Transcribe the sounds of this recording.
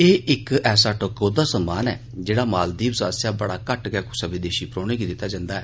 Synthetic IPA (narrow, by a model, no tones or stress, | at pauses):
eːʔɪkɛːsaːʈəkoːd̪aːsəmːaːnɛ̰ː | d͡ʒeːɽaːmaːld̪iːbsaːəsjaːbəɽaːkəʈɡɛːkʊsəbɪd̪eːʃiːpɾoːɽ̃eːɡiːd̪ɪt̪ːaːd͡ʒãːnd̪aːɛː